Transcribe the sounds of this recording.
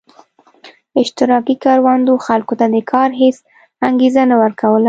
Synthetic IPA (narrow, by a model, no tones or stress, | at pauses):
ɪʃt̪ɪɾɑkikɑɾwɑnd̪oxalkot̪ad̪əkʰɑɾɦes | aŋɡezanawəɾkawəla